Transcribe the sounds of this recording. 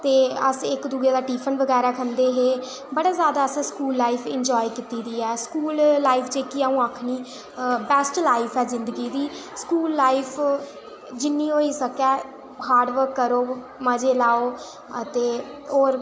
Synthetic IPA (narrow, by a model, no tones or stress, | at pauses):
t̪eːəsɪkd̪uːeːd̪aːʈiːpʰənʋəɡɛːɾaːkʰənd̪eːɦeː | bəɽaːzjaːd̪aːəsɛ̃skuːlːaːipʰɪɲd͡ʒɔːjkɪt̪iːd̪iːɛːskuːlːaːipʰt͡ʃeːkiaũːaːkʰniː | bɛːsʈlaːɪpʰɛːzɪ̃nd̪əɡiːd̪iːskuːlːaːipʰ | d͡ʒɪnːiːoːiːsəkɛː | haːɾɖʋəɾkːəɾoː | məd͡ʒeːlaːoː | ət̪eːoːɾ